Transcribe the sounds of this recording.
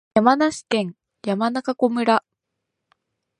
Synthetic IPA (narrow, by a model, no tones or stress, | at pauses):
jamanaɕi̥kẽ̞ŋ | jamanakako̞mɯ̟ɾa